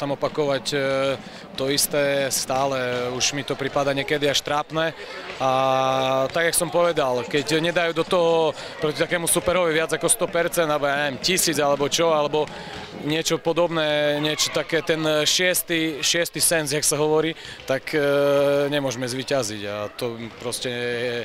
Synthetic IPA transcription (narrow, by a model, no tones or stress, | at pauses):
t̪amɔpakɔʋac | t̪ɔist̪ɛːst̪aːlɛuʒmit̪ɔpɾipad̪aɲɪɛkɛd̪iaʃt̪ɾaːpnɛː | a | t̪aɡjaksɔmpɔʋɛd̪alkɛcɲɛd̪ajuːd̪ɔt̪ɔɦɔ | pɾɔcit̪akɛːmusupɛɾɔʋiʋɪad͡zakɔst̪ɔpɛɾt͡sɛnd̪alɛbɔjaːɲɛʋjɛmcisiːd͡zalɛbɔt͡ʃɔalɛbɔ | ɲɪɛt͡ʃɔpɔd̪ɔbnɛːɲɪɛt͡ʃɔt̪akɛːt̪ɛnʃɪɛst̪iʃɪɛst̪isɛnzjaksaɦɔʋɔɾiː | t̪ak | ɲɛmʊɔʒmɛzʋiːcaziɟa̰t̪ɔpɾɔscɛjɛ